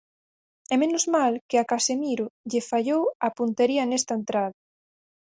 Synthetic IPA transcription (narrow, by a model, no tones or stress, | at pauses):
ɛmenʊzmalkeakasemiɾʊʎɪfaʎowapunt̪eɾiɐnest̪ɐent̪ɾaðɐ